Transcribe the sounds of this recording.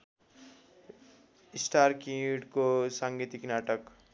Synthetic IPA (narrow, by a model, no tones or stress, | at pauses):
isʈaɾkiʈkosaŋɡit̪iknaːʈək